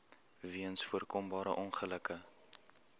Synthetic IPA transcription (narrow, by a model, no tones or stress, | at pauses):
viənsfuərkɔmbɑːɾə̰ʔɔnχələkə